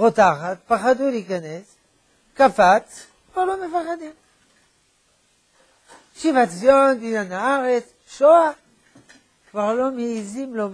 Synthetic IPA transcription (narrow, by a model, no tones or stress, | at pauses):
ʁot̪aχat̪̚paχad̪uliikanes | kafat͡s | kvaʁlomefaχad̪im | ʃivat͡sonbinanaaʁet͡s | ʃoa | kvaʁlo̞meizimlom